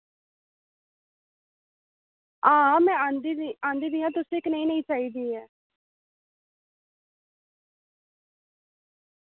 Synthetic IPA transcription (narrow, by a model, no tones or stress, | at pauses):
ãːmɛ̃ːand̪iãːnd̪iːd̪ijãːt̪ʊsɪknəĩːnəĩːt͡ʃaːiːd̪iːɛː